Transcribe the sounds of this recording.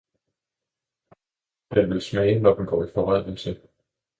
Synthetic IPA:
d̥enʋe̝lsmɛɪənɒb̥n̩ɡ̥ɒ̰ːifɒʁað̰ˠəl̩sə

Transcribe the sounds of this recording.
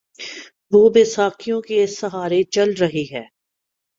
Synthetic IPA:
ʋoːbɪsaːkijõkesɐɦaːɾet͡ʃɐlɾɐɦiɦɛː

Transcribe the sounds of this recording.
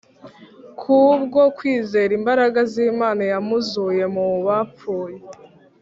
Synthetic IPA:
kʰubɡo̞kwiːze̞ːɾimbaɾaɡaziːmaːnajamuzuje̞muβap͡ffuːje̞

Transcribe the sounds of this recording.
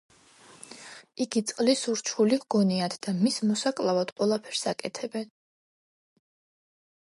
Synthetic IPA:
iɡit̪sʼqʼlisuɾt͡ʃʰulivɡɔniad̪ʰd̪amismɔsakʼlˠavad̪̥qʼwɛlˠapʰɛɾsakʼɛt̪ʰɛbɛn

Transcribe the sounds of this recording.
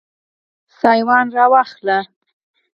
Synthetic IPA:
sɑjwɑnɾɑwɑxla

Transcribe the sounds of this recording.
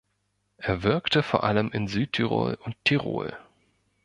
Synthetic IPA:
ʔeːɐvɪɐktəfoːɐʔaləmʔɪnzyːtʰiʁo̰ːlʊnttʰːiʁo̰ːl

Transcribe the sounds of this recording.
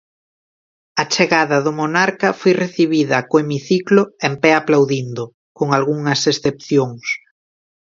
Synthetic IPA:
ɐt͡ʃeɣaðɐðʊmonaɾkɐfojreθiβiðɐkoemiθiklʊempɛaplawðind̪ʊ | koŋalɣuŋɐsesθep̚θjoŋs

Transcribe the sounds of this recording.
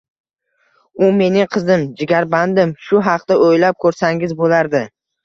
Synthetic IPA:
ʊme̞nɪŋqʰɨzɪmd͡ʒɪɡʲaɾband̪ɪmʃʊɦɑqt̪aojlap̚kʰɵɾsaŋɪzbolaɾd̪ɪ

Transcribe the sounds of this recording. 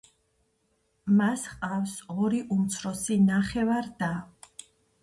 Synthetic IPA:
masqʼafsɔɾiʔumt̪sʰɾɔsinaχɛvaɾd̪a

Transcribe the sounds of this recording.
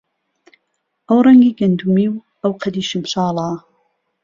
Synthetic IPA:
ʔɐwrɐŋɡiːɡɐnd̪umiːw | ɐwqʰɐd̪iːʃɨmʃɑːlɑː

